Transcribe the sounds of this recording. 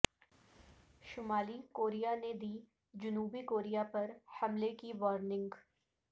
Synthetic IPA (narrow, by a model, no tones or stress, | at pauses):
ʃʊmaːlikoːɾijaned̪iː | d͡ʒʊnuːbikoːɾijapɐɾhɐmlekiʋɔːɾnɪ̃ŋɡ